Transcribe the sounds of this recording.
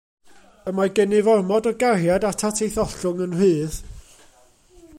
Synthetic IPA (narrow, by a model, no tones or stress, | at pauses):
əmaɡɛnɪvɔrmɔdɔɡarjadatʰatʰejθɔɬʊŋənrɨːð